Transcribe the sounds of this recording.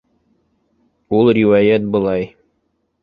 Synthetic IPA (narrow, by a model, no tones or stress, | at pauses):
ulˠrʲiwajæt̪̚bɤ̆lˠɑj